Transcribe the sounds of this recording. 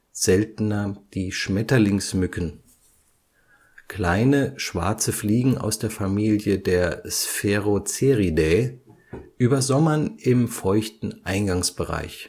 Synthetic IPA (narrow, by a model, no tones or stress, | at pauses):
z̥ɛltənɐd̥iːʃmɛtɐlɪŋsmʏkn̩ | kʰl̥aɪnəʃv̥a̰ɐt͡səfliːɡŋ̩a̰ʊsd̥eːɐfamiːljədeːɐsfɛʁot͡seʁideː | ʔyːbɐzɔmɐnɪmfɔʏçtn̩ʔaɪnɡaŋsb̥əʁa̰ɪç